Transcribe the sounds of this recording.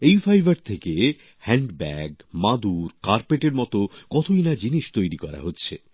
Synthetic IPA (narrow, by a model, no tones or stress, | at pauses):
ejfajbʱaɾt̪ʰeke | hɛɳɖbɛɡmad̪uɾkaɾpeʈeɾmɔt̪okɔt̪ʰojnad͡ʑiniʃt̪ojɾikɔɾa̰ɦotːɕʰe